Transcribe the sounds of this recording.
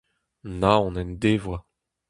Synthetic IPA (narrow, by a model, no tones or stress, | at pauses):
naɔ̃nɛnd̪evwa